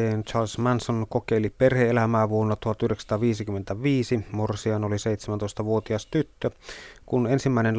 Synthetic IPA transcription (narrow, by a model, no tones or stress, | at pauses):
eːnt͡ʃɑːlsmænsonkokeˑiliperheelæmæːʋuonːɑt̪uhɑt̪ːyhɾdeksɑ̥t̪ɑːʋiːsikymːent̪æʋiːsimorsiɑnoliseˑijt̪semænt̪oˑest̪ɑʋuot̪iɑst̪yt̪ːøkunensimːæˑinen